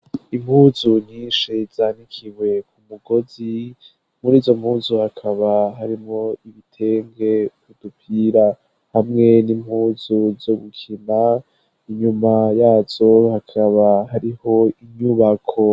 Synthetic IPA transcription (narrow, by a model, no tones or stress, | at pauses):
im̥huːzuɲiːnʃiz̥aːnikʰiwe̞kumuɡo̞zi | muɾiːzo̞m̥huːzuhakʰaβaɦaɾimŋo̞iβitʰe̞ŋɡe̞kud̥upʰiːɾa | hamŋe̞nim̥huːzuzoɡukʰima | iɲumajaːz̥o̞hakʰaβahaɾiho̞iɲuβakʰo̞